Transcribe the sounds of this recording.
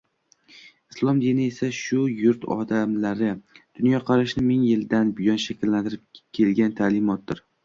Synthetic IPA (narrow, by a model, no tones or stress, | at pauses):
ɪslˠɒmd̪inɪe̞saʃʊjʊɾt̪ʰɒ̰d̪amlaɾɪd̪̥ʊnjɒqʰɑɾaʃnɪmɪŋjɪld̪anbɪjɒnʃakʲʰɪlːant̪ʰɪɾɪp̚kʲʰe̞lɡʲant̪ʰaːlɪmɒt̪̚d̪ɪɾ